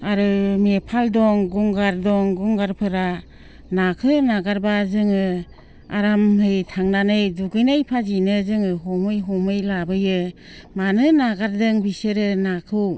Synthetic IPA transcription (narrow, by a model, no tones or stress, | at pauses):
aɾɯmepʰaldɔŋɡuŋɡaɾdɔŋɡuŋɡaɾpʰɯɾa | nakʰɯnaɡaɾbazɯŋɯ | a̰ɾamhɯjtʰaŋnanɯjduɡɯjnajpʰazinɯzɯŋɯɦɔmɯjɦɔmɯjlabɯjɯ | manɯnaɡaɾdɯŋbisɯɾɯnakʰɯw